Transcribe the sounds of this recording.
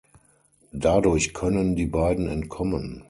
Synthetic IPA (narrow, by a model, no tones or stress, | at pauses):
dadʊɐçkʰœnəndiːbaɪdn̩ɛntkʰɔmən